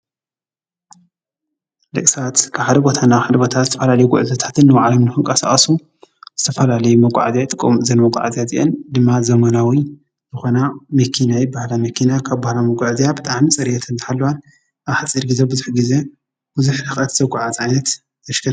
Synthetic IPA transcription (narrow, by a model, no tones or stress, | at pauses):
lɨ̰kʼsat̪kʰɨβħad̪ɐbot̪ʰanːaħad̪ɐbot̪ʰat̪zɨt̪ʰɐfɐlalɐjuɡʊʔzɐt̪ʰḁt̪ʰɨnːɨwaʕlomnɨxɨnkʼɐsa̰χʼɐsu | z̥ɨt̪ʰɐfɐlalɐjumɐɡʷʼa̰ʕzjat̪ʼɨkʼːɨmzɐnmɐɡʷʼa̰ʕa̰zjazḭʔend̪ɨmːazɐmɐnawi | zɨxo̞namɐkʰinajibahlamɐkʰinakʰaβbahlamɐɡʷaʕzijabɨt̪ʼaʕmit͡sʼɐɾjet̪ʰɨnzħalːɐwan | ʔaβħat͡sʼiɾɡizebɨzuħɡize̞ | b̥ɨzuħɾɨxʼɐt̪zɐɡʷʼaʕazʕajnɐt̪ | t̪ʰɐʃkʰɐɾ